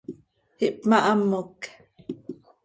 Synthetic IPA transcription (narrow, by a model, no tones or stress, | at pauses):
hiʔpmaʔamːok